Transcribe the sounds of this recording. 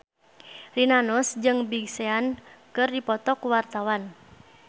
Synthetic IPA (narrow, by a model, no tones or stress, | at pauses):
rinanɔsd͡ʒɨŋbiɡseankərdipɔt̪ɔkwart̪awan